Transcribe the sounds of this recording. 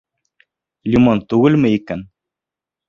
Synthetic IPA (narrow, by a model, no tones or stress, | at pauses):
lʲimont̪ʉɡɘlmɘikæn